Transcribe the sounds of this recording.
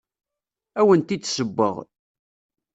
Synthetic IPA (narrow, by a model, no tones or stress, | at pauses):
æwənt̪isəbːə̰ʁ